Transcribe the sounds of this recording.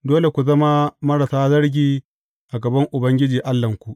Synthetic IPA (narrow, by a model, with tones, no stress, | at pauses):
doː˦le˨kʷu˨zɐ˦ma˦mɐ˦ɾa˨saː˦zɐ˦ɽɡʲiː˨ | ʔa˨ɡɐ˨bɐ˦ŋʔʊ˨bɐ˦ŋɡʲɪ˦d͡ʒiː˨ʔa˦lːɐ˨ŋkʷu˨ʔ